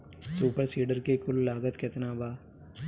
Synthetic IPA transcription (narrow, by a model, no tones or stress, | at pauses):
suːpəɾsiːɖəɾkekʊlːaːɡət̪kɪt̪naːbaː